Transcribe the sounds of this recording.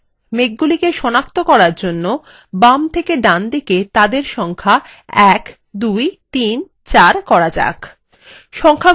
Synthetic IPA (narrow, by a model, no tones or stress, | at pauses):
meɡ̚ɡulikeʃɔnakt̪okɔɾaɾd͡ʑonːo | bamt̪ʰekeɖand̪iket̪ad̪eɾʃɔŋkʰa | ɛk | d̪ujt̪in | t͡ɕaɾkɔɾad͡ʑa̰k | ʃɔŋkʰa